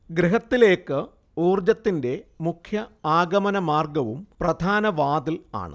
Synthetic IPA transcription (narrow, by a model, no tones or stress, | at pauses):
ɡɾiɦɐt̪ːile̞ːkːɨ | uːrd͡ʑɐt̪ːinde̞mukʰjɐaːɡɐmɐnɐmaːrɡɐʋumprɐd̪ʱaːnɐʋaːd̪ila̰ːɳɨ̰